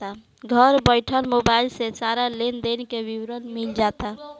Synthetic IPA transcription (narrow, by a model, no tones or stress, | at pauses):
a | ɡʱəɾbəjʈʰəlmobailsesaɾalend̪enkebiwɾənmild͡ʒat̪a